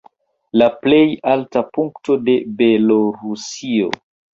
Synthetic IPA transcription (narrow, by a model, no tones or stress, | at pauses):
laple̞jaltapuŋkto̞de̞beloɾusio̰